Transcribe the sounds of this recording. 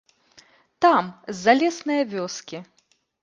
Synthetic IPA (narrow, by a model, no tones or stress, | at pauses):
t̪amzːalʲɛsnɨjɐvʲɔskʲi